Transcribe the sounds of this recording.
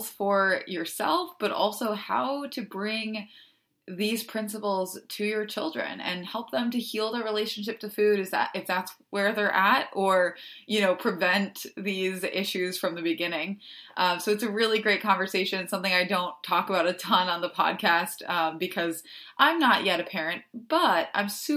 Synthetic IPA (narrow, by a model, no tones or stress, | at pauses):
z̥fə˞jə˞sɛ̰lˠfb̥ʌɾɔ̰lˠsoʊhaʊɾɨbɹɪ̃ŋ | ðiz̥pʰɹ̥ɪ̃nsəpl̩ˠz̥tʰɨjə˞t͡ʃʰɪlˠdɹɨ̰̃nɨ̰̃nhɛlˠp̚ðə̃mtɨhilˠd̪ə˞ɹileɪʃɨ̃n̩ʃ̬ɪp̚tʰɨfʉɾɨfðæ̰ɾʔɨfðætswə˞ðə˞ʔæɾə˞jɨnoʊpʰɹ̥ɨvɛ̃nt̪ðizɪʃʉz̥fɹʌ̃mðɨbɨɡɪ̃nɪ̃ŋʔʌ̃msoʊɨtsɨɹɪlˠiɡɹeɪt̚kʰɑ̃ɱvə˞seɪʃɨ̃nɨ̃nsʌ̃mθɪ̃ŋaɪdõʊ̃ntʰɔkəbaʊɾɨtʰʌ̃nə̃nðəpʰɑ̰d̚kʰæstʌ̃bɨkʰʌzʔãɪ̃mnəʔjɛɾɨpʰɛɹɨ̃nt̚b̥ʌtã̰ɪ̃ms